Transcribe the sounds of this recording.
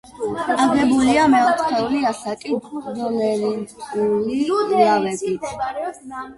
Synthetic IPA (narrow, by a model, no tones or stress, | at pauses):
aɡɛbuliamɛɔt̪ʰχɛuliasakʼid̪ɔnɛliuliavɛbit̪ʰ